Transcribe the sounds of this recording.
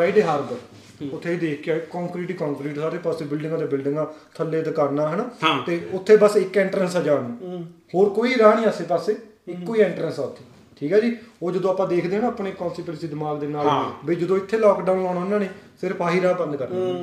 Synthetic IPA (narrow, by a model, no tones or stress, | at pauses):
ɾaːiɖeːɦaːɾbəɾ | ʊt̪ʰːeːid̪eːkʰːakɔ̃ːŋkɾiːʈiːkɔ̃ːŋkɾiːʈsaːɾeːpaːsebɪlɖɪŋɡaːd̪eːbɪlɖɪ̃ŋɡãːt̪ʰəlːeːt̪ːkəɾnaːɦənaːt̪eːʊt̪ʰːeːbəsɪkːɛːɳʈɾənsəd͡ʒaːnũːhoːɾkoːiːɾãːnĩːəseːpaseːɪkːoːiːeːɳʈɾənsaːʊt̪ʰːe̥ː | ʈʰiːkɛːd͡ʒiːoːd͡ʒəd̪õːpãːd̪eːkʰd̪eːnãːəpɳeːkɔ̃ːnsʈiːpɾəsiːd̪ɪmaːɡd̪eːnaːbiːd͡ʒəd̪õːɪt̪ʰːeːlaːkɖaːʊnlaːnaʊːnãːnĩːsɪɾpʰaːɦiːɾãːbənd̪kəɾna